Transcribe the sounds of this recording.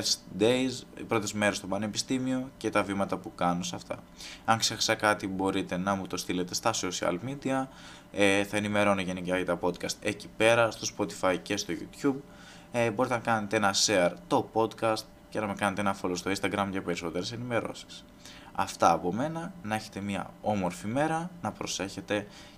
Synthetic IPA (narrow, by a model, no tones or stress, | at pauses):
sid̪eizpɾo̞t̪e̞zme̞ɾe̞st̪opɐne̞pi̥st̪imio̞ce̞t̪ɐvimɐt̪ɐpukɐno̞sɐft̪ɐ̰ | ɐŋksexɐ̥sɐkɐt̪ibo̞ɾit̪e̞nɐmut̪o̞st̪ile̞t̪est̪ɐsosiɐ̰lmid̪iɐ | eθɐenime̞ɾo̞noʝenikɐʝɐt̪ɐpo̞d̪kɐst̪e̞cipe̞ɾɐst̪o̞spo̞t̪i̥fɐjce̞st̪o̞ʝṵt̪çub̚ | bo̞ɾit̪enɐkɐne̞t̪eenɐseɐɾt̪o̞po̞d̪kɐst̪ | cenɐmekɐnet̪e̞enɐfo̞lost̪o̞inst̪ɐɡɾɐmʝɐpe̞ɾiso̞t̪e̞ɾese̞nime̞ɾo̞̰si̥s | ɐ̰ft̪ɐːpo̞me̞nɐnɐe̞çe̞̥t̪e̞miɐ̰o̞mo̞ɾfime̞ɾɐnɐpɾo̞se̞çe̞t̪e̞